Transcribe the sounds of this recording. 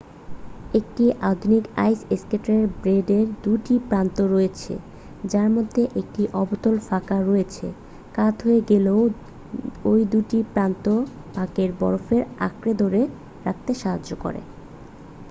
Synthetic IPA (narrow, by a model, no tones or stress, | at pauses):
ek̚ʈiʔad̪ʱunika̰jseskeʈaɾeɾbɾeɖeɾd̪uʈipɾant̪oɾoet͡ɕʰḛ | d͡ʑaɾmod̪ʱːeʔek̚ʈiʔɔbot̪olfakaɾojet͡ɕʰḛ | kat̪ɦoeɡeleo | ojd̪uʈipɾant̪o | pakeɾbɔ̰ɾofeɾa̰kɾed̪ʱoɾe | ɾak̚t̪eʃaɦaoko̰ɾḛ